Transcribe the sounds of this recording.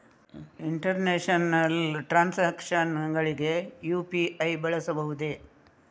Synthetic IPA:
iɳʈɐɾneːʂɐnɐlʈɾaːnseːkʂɐnɡɐɭiɡejuːpiʔɐjbɐɭɐsɐbɐɦud̪e

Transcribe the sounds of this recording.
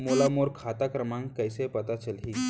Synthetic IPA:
molamoɾkʰat̪akɾəmãŋkəjsepət̪at͡ɕəlɦi

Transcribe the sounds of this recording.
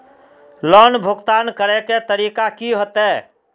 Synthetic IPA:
lɔːnbʱʊɡt̪aːnkəɾeket̪əɾiːkakiɦot̪ɛ

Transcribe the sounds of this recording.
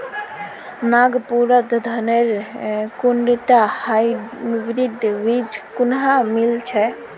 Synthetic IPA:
naɡpuɾət̪d̪ʱəneɾkuɳɖit̪ahajbɾid̪ʋid͡ʒ̪ʱkunɦamilt͡ʃʰɛ

